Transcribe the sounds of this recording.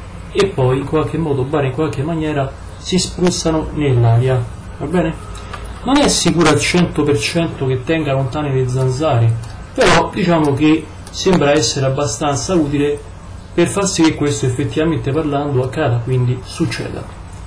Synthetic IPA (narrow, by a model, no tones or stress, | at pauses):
epːɔjiŋkwalk̟emːɔːd̪obːaːɾeiŋkwalk̟emːanjɛːɾa | sispɾusːanonelːaːɾja | vabːɛːne | nonɛsːikuːɾailt͡ʃɛnt̪opert͡ʃɛnt̪ok̟et̪ːɛŋɡalont̪aːneled̪zːanzaːɾe | peɾɔd̪it͡ʃaːmoke | sembɾaɛsːeɾeabːast̪ant̪sauːt̪ile | perfarsik̟ekːwest̪oefːet̪ːivament̪eparland̪oakːaːd̪akwind̪isut͡ʃːɛ̰ːd̪a̰